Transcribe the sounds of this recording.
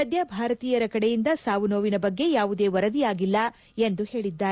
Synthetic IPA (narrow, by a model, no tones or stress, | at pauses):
ɐd̪jɐbʱaːɾɐt̪iːjɐɾɐkɐɽejind̪ɐsaːʋunoːʋinɐbɐɡːe̞jaːʋud̪e̞ːʋɐɾɐd̪ijaːɡilːɐ | end̪uhe̞ːɭid̪ːaː